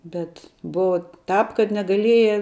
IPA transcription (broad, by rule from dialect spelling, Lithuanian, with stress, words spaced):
ˈbʲɛt ˈbʊʋɐ tɑːp kɐt nʲɛɡɐˈlʲiɛjɛ